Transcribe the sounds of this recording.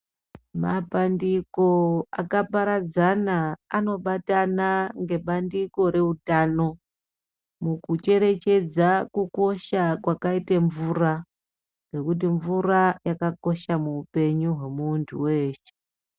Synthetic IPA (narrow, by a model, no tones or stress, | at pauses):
mapandiko̞akapaɾad͡zanaano̞ɓatanaŋɡe̞ɓandiko̞ɾe̞utano̞ | mukut͡ʃe̞ɾe̞t͡ʃe̞d͡zakuko̞ʃakwakaiteɱvura | ŋɡe̞kut̬iɱvurajakako̞ʃamuːpe̞ɲuɦwe̞muːntʰṵwe̞ːʃe̥